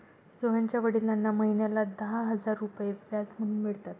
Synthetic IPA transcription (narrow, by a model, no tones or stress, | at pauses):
soɦaɲt͡ɕjaʋəɽiːlanːaməɦinjalad̪əɦaɦəd͡zaɾːupjeʋjat͡sm̤əɽ̤uːnmiɭt̪at̪